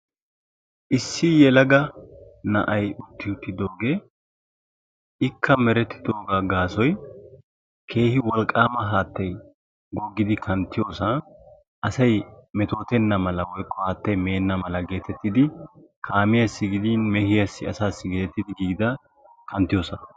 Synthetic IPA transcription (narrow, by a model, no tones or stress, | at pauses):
ʔɪsːɪjɛlɐɡɐnɐ̰ʔɐjʊt̪ːɪʊt̪ːɪd̪o̞ːɡe̞ː | ʔɪkʰːɐmɛɾɛt̪ːɪ̥d̪o̞ːɡaɡaːsɔj | kʰe̞ːhɪwɔlkʼːaːmɐɦaːt̪ːɐj | ɡɔɡːɪd̪ɪkʰɐnt̪ːɪjo̞ːsɐ | ʔɐsɐjmɛt̪o̞ːt̪ɛnːɐmɐlɐwɔjkʼːɔhaːt̪ːɐjme̞ːnːɐmɐlɐɡe̞ːt̪ʰɛt̪ːɪd̪ɪ | kʰaːmɪjɐsːɪɡɪd̪iːnmɛhɪjɐsːɪɐsaːsːɪɡeːɛt̪ːɪd̪ɪɡiːd̪ɐ | kʰɐnt̪ːɪjo̞ːsɐ